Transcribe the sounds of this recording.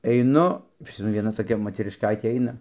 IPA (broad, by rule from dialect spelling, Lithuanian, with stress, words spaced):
ɛɪˈnʊ pɐs mɐˈnʲɪ ʋʲiɛˈnɐ toːˈkʲɛ moːtʲɛrʲɪʃˈkɐɪtʲeː ˈɐɪnɐ